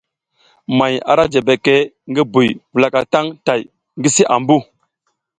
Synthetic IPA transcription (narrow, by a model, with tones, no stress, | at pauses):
ma˨ja̰˨ɾa˦d͡ʒe˨be˨ke˦ | ŋɡi˦bu˨jvu˨la˨ka˨ta˦ŋta˨j | ŋɡi˦si˦ʔa˨mbu˦